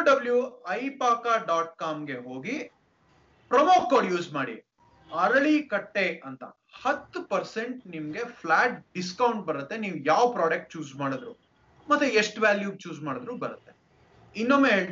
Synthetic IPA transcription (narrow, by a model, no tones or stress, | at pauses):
ɖɐbljuɐjpaːkaːɖaːʈ̚kaːmɡe̞ɦoːɡi | pɾɐmoːkːoːɽjuːd͡ʒmaːɽḭ | ɐɾɐɭikɐʈːeʔɐnt̪ɐ̰ | hɐt̪ːupɐɾse̞ɳʈnimɡe̞pʰlaːʈ̚ɖiskɐwuɳʈ̚bɐɾɐt̪ːe̞niːʋjaːʋpɾaːɖɐk̚ʈ̚t͡ʃuːd͡ʒmaːɽɐd̪ɾu | mɐt̪ːueʂʈʋæːljuːt͡ʃuːd͡ʒmaːɽd̪ɾubɐɾɐt̪ːe | inːoːmːeːɦeːɭ